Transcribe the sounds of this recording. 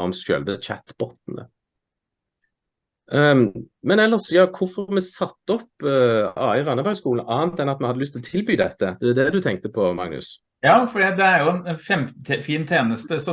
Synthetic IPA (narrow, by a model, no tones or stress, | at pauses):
ɔ̰msø̰ːlʋət͡ʃʰæ̰t̪bɔt̪ːnə̰ | mɛnɛlːəʁsjɑːkʰʊfɔmɛsɑt̪ːəɔpːɑ̰ːɪʁɑnəbœʏskuːln̩ʔɑːnt̪ɛnɑt̪mɛɑd̪əʏst̪ɪɔt̪ʰɪlbyːd̪ɛt̪ːəd̪ɛd̪ɛd̪ʉt̪ʰɛŋk̚t̪əpʰɔmɑ̰ŋnʉ̰s | jɑːfɔd̪iːt̪̚d̪ɛæɾjʊɛnɛnfɛmʰfiːnt̪ʰeːnəst̪əsɔ